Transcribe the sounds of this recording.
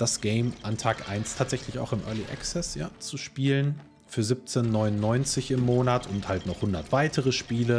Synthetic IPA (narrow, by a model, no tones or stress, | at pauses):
d̥asɡ̥ɛɪmʔantʰaːkʔa̰ɪnstʰaːtz̥ɛçlɪça̰ʊxɪmʔœɐliʔɛ̰ksɛsjaːt͡suʃpiːlən | fyːɐzɪp̚t͡senːɔʏnʊnːɔʏnt͡sɪçɪmːoːnatʰʊnthaltnɔχhʊndɐtv̥aɪtʰəʁəʃpiːlə